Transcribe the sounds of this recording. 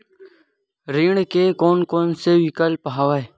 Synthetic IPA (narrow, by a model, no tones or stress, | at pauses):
ɾiːɳkeːkoːnkoːnseːʋikəlpɦaːʋaeː